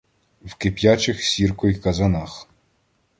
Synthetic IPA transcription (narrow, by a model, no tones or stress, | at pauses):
wkɪpʲjat͡ʃɪxsʲirkɔjikɐzɐnɑx